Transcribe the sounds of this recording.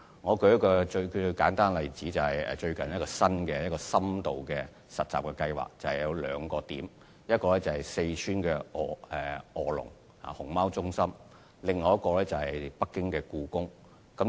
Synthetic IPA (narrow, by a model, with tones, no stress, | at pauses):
ŋɔː˨˧kɵ˧ɥjɐ˥tkɔː˧t͡ʃɵ˧kkaː˨˥nt̪aː˥nlɐ˨jt͡siː˨˥t͡sɐ˨whɐ˨jɛ̰ː˨t͡ʃɵ˧ɥkɐ˨njɐ˥tkɔː˧sɐ˥nkɛː˧jɐ˥t̚kɔː˧sɐ˥mt̪o˨wkɛː˧ | sɐ˨t̚t͡sa̰ː˨p̚kɛː˧kɐ˧jwa̰ː˨k̚t͡sɐ˨whɐ˨jɐ˨˧wlœ̰ː˨˧ŋkɔː˧t̪iː˨˥m | jɐ˥t̚kɔː˧lɛː˥t͡sɐ˨˩hɐ˨jse˧jt͡ʃʰyː˥nkɛː˧ʔɔː˨˧ɛ˨˩ɔː˨lʊ̰˨˩ŋ | ha̰ː˨˩hʊ˨˩ŋmaː˥wt͡sʊ˥ŋsɐ˥m | lɪ˨˩ŋːɔː˨jɐ˥t̚kɔː˧lɛː˦˥t͡sɐ˨whɐ˨jpɐ˥kːɪ˥ŋkɛː˧kuː˧kʊ˥ŋ | kɐ˨˥m